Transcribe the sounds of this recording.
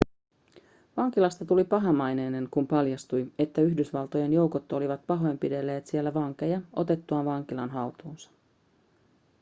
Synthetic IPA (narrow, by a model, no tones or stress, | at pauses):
ʋɑŋk̟ilɑst̪ɑt̪ulipɑɦɑmɑjne̞ːne̞ŋkumpɑljɑst̪uje̞t̪ːæyçdysʋɑlt̪o̞je̞njo̞wkot̪ːo̞liʋɑt̪̚pɑɦo̞empide̞lːe̞ːt̪sielːæʋɑŋke̞jɑʔo̞t̪e̞t̪ːuɑnʋɑŋk̟ilɑnɦɑut̪uːnsɑ̥